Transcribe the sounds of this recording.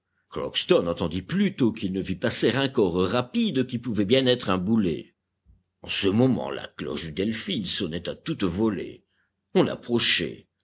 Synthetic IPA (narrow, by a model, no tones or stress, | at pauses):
klɔ̰kst̪ɔnɑ̃t̪ɑ̃d̪iplyt̪okilnəvipasɛʁɛ̃kɔʁʁapid̪kʲipuvɛbjɛ̃nɛt̪χɛ̃bulḛ | ɑ̃səmɔmɑ̰̃la̰klɔ̰ʃd̪yd̪ɛlfilsɔnɛt̪at̪ut̪vɔlḛ | ɔ̃la̰pχɔʃɛ̰